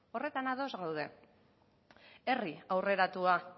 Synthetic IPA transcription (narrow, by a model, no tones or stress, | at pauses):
o̞re̞t̪anaðo̞zɣawð̞e̞̰ | e̞riawre̞ɾat̪ua